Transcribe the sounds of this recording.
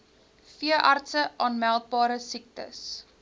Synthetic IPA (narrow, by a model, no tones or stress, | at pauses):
fiəʔɐrtsəʔɑːnmælˠt̚bɑːɾəsik̚tə̰s